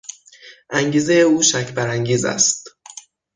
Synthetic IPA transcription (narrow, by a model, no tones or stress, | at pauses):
ʔæŋɟiːze̞jeuːʃæcʰbæɾæŋɟiːzæ̰st̪